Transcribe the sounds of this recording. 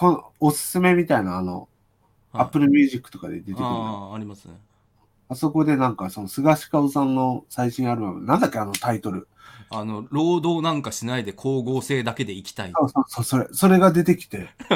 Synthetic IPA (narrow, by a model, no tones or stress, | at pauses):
ko̞no̰osɨ̥sɨme̞mʲit̪ainaːno̞̰ | apːɯ̟ɾɯ̟mʲjɨːʑikːɯ̟̥t̪o̞ka̰d̪e̞̰d̪et̪ekɾaɾʲimasɨne | aso̞ko̞d̪e̞nãŋkaso̞no̞sɨɡaɕi̥kaɯsãnːo̞saiɕĩaɾɯ̟mamḛnãnd̪akʲːeano̞t̪ait̪o̞ɾɯ̟ | ano̞ɾo̞ːd̪o̞ːnãŋkaɕinaid̪e̞kʰo̞ːɡoːse̞ːd̪ake̞d̪e̞ikʲi̥t̪aisoːsoːso̞ːso̞ɾe̞so̞ɾe̞ɡad̪e̞t̪e̞kʲi̥t̪e̞